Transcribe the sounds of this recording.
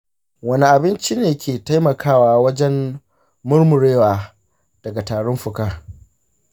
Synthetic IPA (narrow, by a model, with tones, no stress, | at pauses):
wɐ˦ni˨ʔa˨bɪ˦nt͡ʃi˦neː˨kʲeː˨ta˦jmɐ˨kʰaː˦˨waː˨wɐ˦d͡ʒɛ˦m | mʊ˦ɽmʊ˨ɽeː˦waː˨ | d̥ɐ˨ɡa˨taː˨ɽʊ˦mɸʊ˨kaː˦